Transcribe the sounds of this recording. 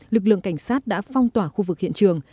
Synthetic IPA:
lɨ˨˩k̚lɨ̰˧˨əŋka˧˩ŋ̟saː˦˥t̚ɗa̰ː˧˥fɔ˧wŋ͡mt̪waː˧˩xu˧vɨ˨˩hḭ˧˨nt͡ɕɨ˨˩əŋ

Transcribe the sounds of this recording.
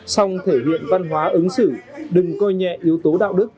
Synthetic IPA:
sa˧wŋ͡mt̪ʰe˧˩lḭ˧˨ənva˧nɦwaː˨˦ʔə˨˦nsɨ˧˩ɗɨ˨˩ŋkɔ˧jɲɛ̰˧˨ʔi˨˦əwt̪o˨˦ɗa̰ː˧˨wɗɨ˦˥k̚

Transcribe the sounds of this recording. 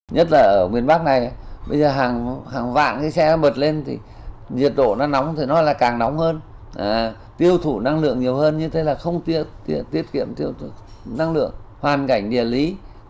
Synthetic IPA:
ɲə˦˥t̚laː˨˩ʔəː˧˩ŋwi˨˩ənɓa˦˥k̚na˨˩ja˨˩ɓə̰˧jzəː˨˩ɦaː˨˩ŋhaː˨˩ŋva̰ː˧˨nkaː˨˦jsɛ˧nɔ˨˦ɓə˨˩t̚le˧nt̪ʰḭ˨˩ | zi˨˩ət̚ɗo̰˧˨nɔ˨˦na˨˦wŋ͡mt̪ʰi˨˩nɔ˨˦laː˨˩kaː˨˩ŋnɔ˨˦wŋ͡mhəː˧n | ʔaː˨˩ | t̪i˧əwt̪ʰu˧˩na˧ŋlɨ̰˧˨əŋɲi˨˩əwhəː˧nɲɨ˧t̪ʰe˨˦laː˨˩xə˧wŋ͡mt̪i˧˥ət̪i˧ət̪i˦˥ət̚kḭ˧˨əmt̪i˧əwt̪ʰu˧˩ | na˧ŋlɨ̰˧˨əŋhwaː˨˩nka˧˩jŋ̟ɗḭ˨˩əli˨˦

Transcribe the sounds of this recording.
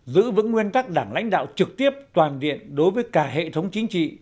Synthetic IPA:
zɨ̰˧˥vɨ̰˧˥ŋːwi˧ənt̪a˦˥k̚ɗaː˧˩ŋla̰˧˥jŋ̟ɗa̰ː˧˨wt͡ɕɨ˨˩k̚t̪i˦˥əp̚t̪waː˨˩nɗḭ˧˨ənɗo˨˦jvəː˨˦jkaː˧˩ɦḛ˧˨t̪ʰə˨˦wŋ͡mt͡ɕï˨˦ŋ̟t͡ɕḭ˧˨

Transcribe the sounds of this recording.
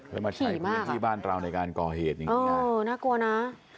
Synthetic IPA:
ɯ˧˦˩maː˧˩t͡ɕʰiː˦˨˦maː˥˦˧kt̪iː˥˩baː˥˩nɾa˧wna˧jkaː˧nkɔː˨˩heː˨˩t̪̚ja˨ɤː˦˧˦naː˥˩ku˧ɐna˦˥

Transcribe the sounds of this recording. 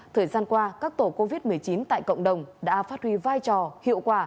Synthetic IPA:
t̪ʰəː˨˩jzaː˧nkwaː˧kaː˦˥k̚t̪o˧˩ko˧vi˦˥t̚mɨ˨˩əjt͡ɕi˨˦nt̪a̰ː˧˨jkə̰˧˨wŋ͡mɗə˨˩wŋ͡mɗa̰ː˧˥faː˦˥t̚hwi˧vaː˧jt͡ɕɔ˨˩hḭ˧˨əwkwaː˨˩

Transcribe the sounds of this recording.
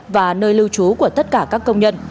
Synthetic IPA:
vaː˨˩nəː˧jlɨ˧wt͡ɕu˨˦ku˧˩ət̪ə˦˥t̚kaː˧˩kaː˦˥kːə˧wŋ͡mɲə˧n

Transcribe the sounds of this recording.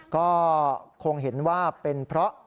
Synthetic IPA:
kɔː˥˩kʰo˧ŋɦe˩˦nwaː˥˩pe˧npʰɾɔ˦˥ʔ

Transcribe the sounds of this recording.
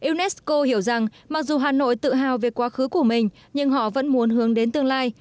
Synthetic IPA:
ʔi˧wnɛ˦˥sko˧hi˧˩əwza˨˩ŋ | ma˨˩k̚zu˨˩ɦaː˨˩no̰˧˨jt̪ɨ̰˧˨ɦaː˨˩wve˨˩kwaː˨˦xɨ˨˦ku˧˩əmï˨˩ŋ̟ | ɲɨ˧ŋɦɔ̰˧˨və̰˧˥nmu˨˦ənɦɨ˨˦əŋɗe˨˦nt̪ɨ˧əŋlaː˧j

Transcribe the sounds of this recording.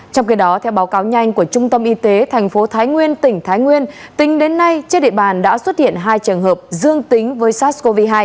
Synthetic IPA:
t͡ɕɔ˧wŋ͡mxi˨˦ɗɔ˨˦t̪ʰɛ˧wɓaː˨˦wkaː˨˦wɲa˧jŋ̟ku˧˩ət͡ɕʊ˧ŋ͡mt̪ə˧mʔi˧t̪e˨˦t̪ʰa˨˩jŋ̟fo˨˦t̪ʰaː˨˦jŋwi˧ənt̪ï˧˩ŋ̟t̪ʰaː˨˦jŋwi˧ənt̪ï˨˦ŋ̟ɗe˨˦nːa˧jt͡ɕi˦˥t̚ɗḭ˧˨ɓaː˨˩nɗa̰ː˧˥swə˦˥t̚hḭ˧˨ənɦaː˧jt͡ɕəː˨˩ŋɦəː˨˩p̚zɨ˧əŋt̪ï˨˦ŋ̟vəː˨˦jsaː˦˥t̚sko˧vi˧ɦaː˧j

